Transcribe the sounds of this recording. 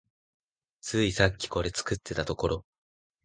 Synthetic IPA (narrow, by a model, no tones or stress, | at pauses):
t͡sɨːisakʲːi̥ko̞ɾe̞t͡sɨ̥kɯt̪ʰːe̞t̪at̪o̞ko̞ɾo̞